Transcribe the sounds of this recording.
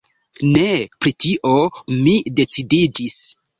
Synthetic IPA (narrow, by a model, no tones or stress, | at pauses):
ne̞pɾitiʔomide̞t͡sidid͡ʒis